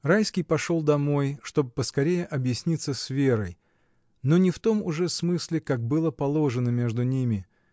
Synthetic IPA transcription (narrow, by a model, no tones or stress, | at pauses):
rajskʲɪjpɐʂo̞lˠd̪ɐmo̞jʂt̪o̞bɨpəskɐɾʲejɪʔɐbjɪsʲnʲit̪səsvʲe̞ɾəj | no̞nʲɪft̪o̞mʊʐɛsmɨsʲlʲɪkak̚bɨlˠəpɐlˠo̞ʐɨnəmʲe̞ʐd̪ʊnʲimʲɪ